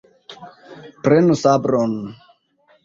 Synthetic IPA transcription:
pɾenusabɾon

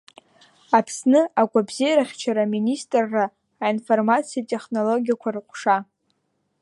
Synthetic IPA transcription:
apʰsnɨaɡʷabzijaɾaχʲt͡ʃʰaɾaministʼrːaː | info̞rmat͡sʰijatʼe̞χno̞lo̞ɡʲijakʷʰarɨqʷʼʂa

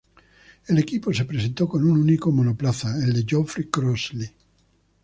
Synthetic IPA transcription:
elekiposepɾesent̪okonununikomonoplaθaeld̪ed͡ʒɔfɾikɾɔzli

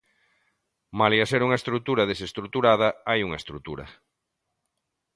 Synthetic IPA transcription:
maliaseɾuŋɐest̪ɾut̪uɾɐð̞esest̪ɾut̪uɾað̞ɐajuŋɐest̪ɾut̪ṵɾɐ̰

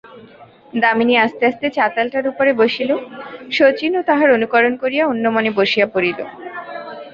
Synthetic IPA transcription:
d̪aminiast̪east̪et͡ɕat̪alʈaɾupoɾeboʃiloʃot͡ɕinot̪aɦaɾonukɔɾonkoɾijaunːomoneboʃijapoɾilo̰

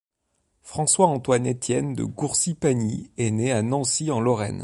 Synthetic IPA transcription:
fχɑ̃swaɑ̃t̪wanɛt̪jɛnd̪ə̰ɡuʁsipaniɛneanɑ̃siɑ̃lɔʁɛ̰n

